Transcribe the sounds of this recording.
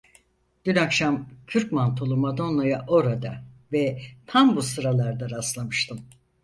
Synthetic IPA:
ɟ̥ynakʃamcʰyɾcmant̪ʰolˠumad̪o̞nlˠajaʔo̞ɾad̪avɛt̪ʰambusɯɾalˠaɾd̪aɾaslˠamɯʃt̪ʰɯm

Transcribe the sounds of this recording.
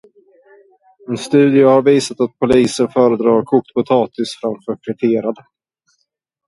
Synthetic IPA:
ɛnst̪ʉ̟ːd̪ɪəhaɾviːsat̪at̪̚pʰʊliːsənfœːɾəd̪ɾɑːɾkʰʊk̚t̪pʰʊt̪ʰɑːt̪ɪsfɾamfœːkʰvɛʈ̪ʰeːɾad̪ə

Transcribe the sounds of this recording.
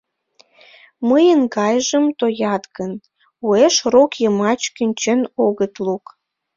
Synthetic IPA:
məjənɡɑjʒəmt̪ojɑt̪ɣən | ueʃrokjəmɑt͡ɕkynʲt͡ɕənoɣət̪luk

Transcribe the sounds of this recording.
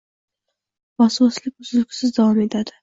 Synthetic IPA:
mɑsɑslʲɪk̚ʲʊzɪlkʲʰɪ̥sɪzd̪avɑmet̪ʰad̪ɪ

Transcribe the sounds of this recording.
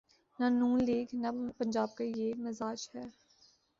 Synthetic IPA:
nɐnũːnleːɡnɐpɐ̃ɲd͡ʒaːb̚kajemɪzaːd͡ʒhɛː

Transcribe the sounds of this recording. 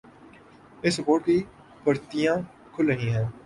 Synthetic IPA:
ɪsɾəpoːɾʈki | pɐɾt̪ijã | kʰʊlɾɐɦĩɦɛ̃ː

